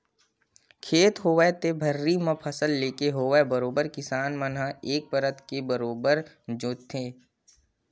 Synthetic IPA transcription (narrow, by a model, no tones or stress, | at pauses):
kʰeːt̪ɦoːʋet̪ebʱəɾːimɐ̃pʰəsəlːeːkeɦoːʋebəɾoːbəɾkɪsaːnmənɦəeːk̚pəɾət̪kebəɾoːbəɾ | d͡ʒoːt̪ʰeː